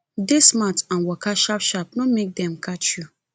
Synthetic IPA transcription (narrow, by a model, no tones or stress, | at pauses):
desmatãnwɔkʰaʃapʃap̚nɔ̃mek̚dɛ̃mkʰat͡ʃju